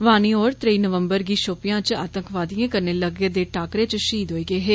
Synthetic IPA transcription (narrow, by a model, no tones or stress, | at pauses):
ʋaːniːɔːɾt̪ɾəiːnəʋəmbəɾɡiːʃoːpɪjãːt͡ʃa̰ːt̪əŋkʰʋaːd̪ijãːkəɾneːləɡeːd̪eːʈʰaːkɾeːt͡ʃʃiːd̪ɦoːiːɡəeːɦeː